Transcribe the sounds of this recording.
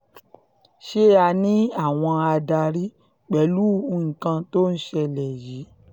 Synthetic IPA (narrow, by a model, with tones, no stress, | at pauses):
ʃe˦a˧nĩ˦a˦˨w̃ɔ̃˧a˧da˧ɾi˦ | k͡pɛ˨˦lu˦˧ŋ̩˨kã˧to˦n̩˦ʃɛ˧lɛ˨ji˨˦